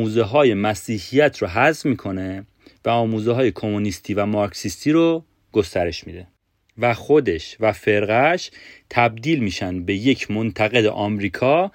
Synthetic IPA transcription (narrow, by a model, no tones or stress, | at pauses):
uːzeɦɒːje̞mæsiːhijæt̪ʰɾoɦæzvmiːkʰo̞ne̞ | væɒːmuːzeɦːje̞kʰo̞monist̪ʰiːvæmɒːɾksist̪ʰiːɾo | ɡ̥o̞st̪æɾe̞ʃmḭːd̪e̞ | væxo̞d̪e̞ʃvæfe̞ɾɣæʃt̪ʰæb̚d̪iːlmiːʃænd̪be̞je̞cʰmo̞nt̪ʰæɣe̞d̪ḛʔɒːmɾiːkʰɒː